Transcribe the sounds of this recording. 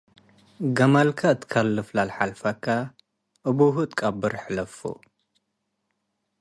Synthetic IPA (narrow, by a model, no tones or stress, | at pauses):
ɡɐmalkʰaɨt̪ʰkʰɐlːɨflalħalfɐkʰːa | ʔɨbuɦut̪ʼkʼabɨɾħlɐfṵ